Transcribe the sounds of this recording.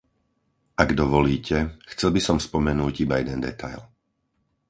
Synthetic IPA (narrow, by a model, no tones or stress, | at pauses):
ʔaɡd̪ɔʋɔliːcʰɛxt͡sɛlbisɔmspɔmɛnuːɟibajɛd̪ɛnd̪ɛ̰t̪ʰajl